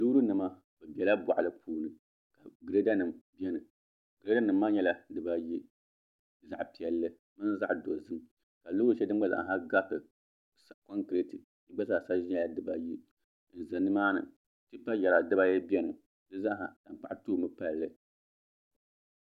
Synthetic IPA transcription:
lu˦ɾu˦nɨ˨ma˦ | bɛ˨bɛ˨la˦bɔ̰˨ʔlɨ˦pʰuː˦nɨ˨ | ka˨ɡɨ˨ɾe˦da˦nɨ˨mbɛ˦nɨ˨ | ɡɨ˨ɾe˦da˦nɨ˨mː˦aː˦ɲɛ˦la˦dɨ˨ba˦ji˦˨ | za̰˨ʔpi˨ɛ˨lːɨ˦ | mɨ˦n˦za˦ʔdo˨zɨ˦m | ka˨lu˦ɾu˦t͡ʃɛ˦dɨ˦m˦ɡ͡ba˦za̰˨ʔɦa˦ɡa˦pɨ˨ | sa˨kɔ˦ŋkɾe˦tɨ˨ | i˦ɡ͡ba˦sa˦˨a˨sa˦ʒi˦ɲɛ˦la˨dɨ˦ba˦ji˦ | n̩˨za˨nːɨ˦maː˦nɨ̰˨ | tɨ˦pa˦jɛ˨ɾa˨dɨ˦ba˦jɛ˦bi˦ɛ˦nɨ˨ | dɨ˦za˦ɦa̰˨ta˨m˨k͡pa˦ʔtu˦˨mɨ˦pa˦˨lɨ˦

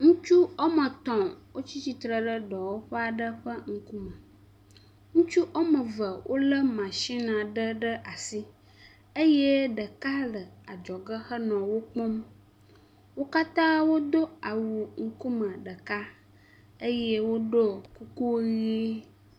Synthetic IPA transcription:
ŋũ˦t͡ʃu˦ɔ˦mə̃˨t̪ɔ̃˨wʔo˦t͡ɕi˦t͡ɕi˨t̪ɾə˨ɖə˦ɖɔ˨wo˦ɸə˦a˨ɖə˦ɸə˦ŋ̩˦ku˦mə̃˨ | ŋũ˦t͡ʃu˦ʔo˦mə̃˨və˨wʔo̰˦lə˦mã˨ʃi˦nã˨ɖə˦ɖə˦ʔa˨si˦ | ə˦je˦ɖə˨ka˦lə˨a˨d͡ʒɔ˨ɡə˦xə˦nɔ̃˨wo˦k͡pɔ̃˦m | wo˦ka˦t̪ã˦wo˦d̪o˦a˨wu˨ŋ̩˦ku˦mə̃˨ɖə˨ka˦ | ə˦je˦wo˦ɖo˦ku˦ku˦ɣi˦

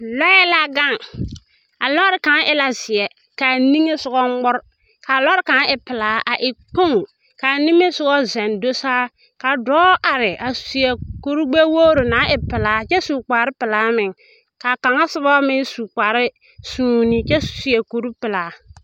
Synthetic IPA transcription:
lɔ˦jɛ˦la˦ɡa˦˨ŋ | a˨lɔ˦ɾɪ˨˦ka˨˦ŋʔɪ˦la˦zɪ˨ɛ˨ | ka˨ni˦ŋe˦sʊ˨ɡɔ˦ŋ͡mʊ˦ɾ | ka˨lɔ˦ɾɪ˦ka˨ŋ˦ɪ˨pɪ˨laː˨˦ʔa˨ʔɪ˨k͡po˦ŋ˨ | ka˨ni˦ŋe˦sʊ˨˦ɔ˦zɛ˨ndo˦saː˦ | ka˨dɔː˦ʔa˨ɾɪ˨ʔa˨su̥˨su˨ɛ˨ko˦ɾu˦ɡ͡be˦woː˦ɾo˨na˨˦ʔɪ˨pɪ˨laː˨˦t͡ʃɛ˦su˨k͡paː˨ɾɪ˦pɪ˨laː˨˦mɪ˨ŋ | ka˨ka˨ŋa˦sɪ˦bɔ˦mɪ˦ŋsu˨k͡paː˨ɾɪ˦ | suː˦nɪ˦t͡ʃɛ˦su̥˨si˨˦ɛ˨ko˨ɾu˦pɪ˨laː˨

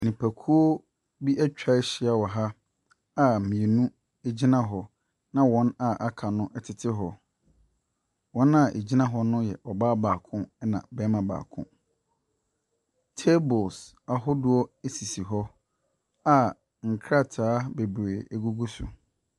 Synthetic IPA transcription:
nĩ˨pʰæ˨kʰu˦o˦ | bi˦ʔæ˦t͡ɕᶣa˦ɕɪ˦a˨wɔ˨ɦa˦ | a˨mĩ˨e˨nũ˦ | e˦d͡ʑi˦nã˦ɦɔ˨ | nã˦wɔ̃˦na˨ʔa˦kʰa˨nʊ̃˦ʔɛ˨tʰɪ˨tʰɪ˦ɦɔ˨ | wɔ̃˦nã˨ʔḛ˨d͡ʑi˦nã˦ɦɔ˦nʊ̃˦jɛ˨ʔɔ˨ba˦baː˨kʰʊ̃˦nã̰˨bɛ˦mã˨ba̰ː˨kʰʊ̰̃˦ | tʰe˦bʊ˨s | a˨ɦʊ˦dʊ˦ɔ˦e˦si˨si˨ɦɔ˦ | a˨ | ŋ̩˨kʰɾa˦˨tʰaː˦be˨be˨e˦ɡu˦ɡu˦sʊ̰˨

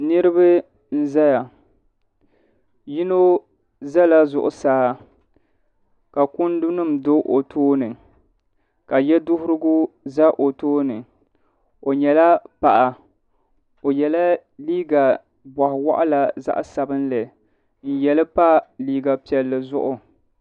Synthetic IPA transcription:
nɨ˦ɾɨ˦bɨ˦ | n̩˦za˦ja˨ | ji˦no˦ | za˦la˦zʊ̰˨ʔʊ˨saː˦ | ka˨kʊ˦n˦dʊ˦nɨ˦˨m˨do˦ʔo˨tʰoː˦nɨ˨ | ka˨jɛ˦dʊ˦hʊ˦ɾɨ˦ɡʊ˦ | za˦ʔo˨toː˦nɨ˨ | o˨ɲɛ˨la˦pa˨ʔa˨ | o˨jɛ˨la˦ | liː˦ɡa˨ | ba˨hɪ˨wa̰˦ʔa˦la˨za̰˦ʔa˦sa˨bɨ˦nlɨ˨ | n̩˦˨jɛ˨lɨ˦pa˦liː˦ɡa˨pi˨ɛ˨lːɨ˨zʊ˦ʔʊ˨

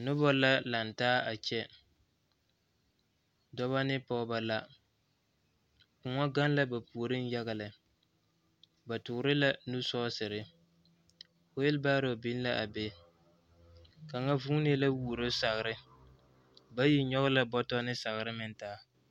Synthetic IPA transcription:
nʊ˦bɔ˦la˦la˨n˨taː˦a˨t͡ʃɛ˦ | dɔ˦βa˦nɪ˦pɔ˦ba˦la˦ | kʊ˨ŋɔ˦ɡa˦n˦la˦ba˨pu˨o˨ɾɨ˦n˦ja˦ɣa˨lɪ˨ | ba˨tʊ˨ɡɾɪ˦la˨nu˦sɔ˦sɨ˨ɾɪ˦ | o˦jɪ˦lbaː˦ɾo˨bi˦n˦la˦ʔa˨be˦ | ka˨ŋa˦vuː˦ne˦la˦wuː˨ɾo˦sa˨ɣɨ˨ɾɪ˦ | ba˦ji˦ɲɔ˦ɣʊ˦la˦bɔ˦tɔ˦nɪ˦sa˨ɣɨ˨ɾɪ˦mɪ˨ntaː˦

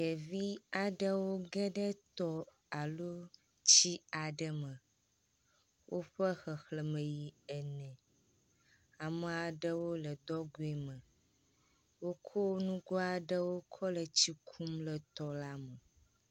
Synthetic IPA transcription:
ɡɛ˨vi˦a˨ɖə˦wo˦ɡɛ˦ɖə˦t̪ɔ˦ | a˨lo˦ | t͡ɕi˦a˨ɖə˦mə̃˨ | wʔo˦ɸə˦xə˨xlə˨mə̃˨ji˨ɛ˨nɛ̃˨ | a˨mə˨a˨ɖə˦wo˦lə˨d̪ɔ˦ɡo˨e˨mə̃˨ | wo˦kʰo˦nũ˦ɡɔ˦a˨ɖə˦wo˦kʰɔ˦lə˨t͡ɕi˦kʰu˦mlə˨t̪ɔ˨la˦mə˨

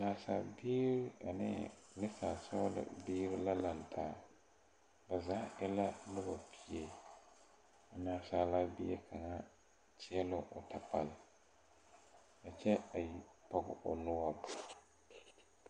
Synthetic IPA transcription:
naː˨sa̰˨biː˦ɾɪ˦a˨nɪ̰˦lɪ˦sa˨sɔ˦lɪ̰˨biː˦ɾɪ˦la˦la˨n˨tʰaː˨˦˨ | ba˨za˦ɪ˦la˦lʊ˦bɔ˨pʰi˦e˦ | a˨naː˨˦saː˦la˦bi˦e˦kʰa˨ŋa˦ | t͡ʃɪ˦ɛ˦lʊ˦ʔʊ˨tʰa˨pa˨lɪ˨ | ka˨t͡ʃɛ˦a˨ji˦pa˦ɡʊ̰˨ʔʊ̰˨nʊ˦a˦˨b

